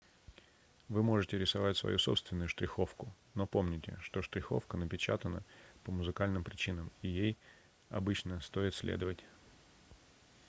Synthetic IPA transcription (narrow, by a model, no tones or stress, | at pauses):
vɨmo̞ʐɨtʲɪɾʲɪsavatʲsvɐ̰jʔuso̞pst̪vʲɪnːʊjʊʂt̪ɾʲɪxo̞fkʊ | no̞po̞mnʲɪtʲɪ̰ʂt̪oʂt̪ɾʲɪxo̞̰fkənəpʲɪt͡ɕa̰t̪ənə̰pəmʊzɨkalʲnɨmpɾʲɪt͡ɕinəmijej | ɐ̰bɨt͡ɕnəst̪o̞ɪt̪sʲlʲḛd̪əvətʲ